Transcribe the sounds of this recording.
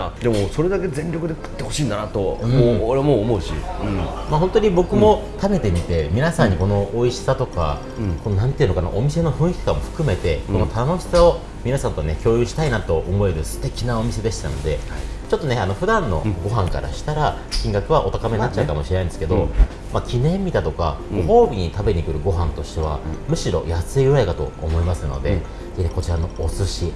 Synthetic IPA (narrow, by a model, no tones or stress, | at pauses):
ad̪e̞mo̞so̞ɾe̞d̪ake̞zẽ̞ɲɾʲokɯ̟d̪e̞kɯ̥t̪ːe̞hoɕiːnd̪anat̪oɯ̃ooɾemoːmo̞ɯ̟ɕḭɯ̃mahõ̞nt̪oɲ̟ibo̞kɯ̟mo̞t̪abe̞t̪e̞mʲit̪e̞mʲinasãɲ̟ːiko̞no̞oiɕi̥sat̪o̞ka̰ | ko̞nonãnt̪ei̟nokana̰ʔomʲise̞no̞ɸɯ̟̃ikʲi̥kamo̞ɸɯ̟̥kɯ̟me̞t̪e̞kono̞t̪ano̞ɕi̥sao̞ | mʲinasãnt̪oanekʲo̞ːjɯɕi̥t̪ainat̪o̞ʔomo̞e̞ɾɯ̟sɨ̥t̪e̞kʲinao̞mʲise̞d̪e̞ɕi̥t̪a̰no̞̰d̪e̞t͡ɕot̪ːo̞neano̞ɸɯ̟d̪ãnːo̞̰ɡo̞ɦãŋka̰ɾa̰ɕi̥t̪aɾa | kʲĩŋɡakɯ̟β̞aʔo̞t̪akameɲnːat͡ɕːaɯ̟kamo̞ɕienaĩnd̪esɨ̥ke̞d̪o̞ | makʲinẽ̞mːʲid̪at̪o̞ka̰ɡoɦo̞ːbʲiɲ̟it̪abe̞ɲ̟ikɯ̟ɾɯ̟ɡo̞ɦãnt̪o̞ɕi̥t̪e̞βa̰mɯ̟ɕiɾo̞̰jasɨejoekat̪o̞̰omo̞imasɨno̞̰d̪e̞ | eneko̞t͡ɕiɾano̞osɨɕi